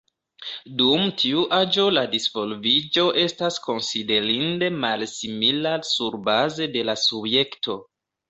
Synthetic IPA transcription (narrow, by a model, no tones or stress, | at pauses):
dumtʰiuʔad͡ʒo̞ladisv̥o̞lvid͡ʒo̞ʔe̞stasko̞nside̞ɾinde̞malsimilasuɾbaze̞de̞lasubje̞kto